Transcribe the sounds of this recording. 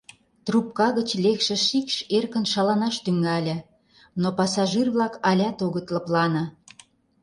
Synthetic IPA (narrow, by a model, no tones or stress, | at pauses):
t̪rup̚kɑɣət͡ɕlekʃĕʃikʃerkə̆nʃɑlɑnɑʃt̪yŋɑlʲə̆ | nopɑsɑʒirβlɑkɑlʲɑt̪oɣət̪lə̆plɑnɤ̆